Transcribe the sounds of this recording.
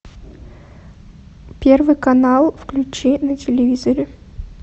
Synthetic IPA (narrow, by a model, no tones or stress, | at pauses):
pʲervɨjkɐnalˠfklʲʉt͡ɕinətʲɪlʲɪvʲizəɾʲɪ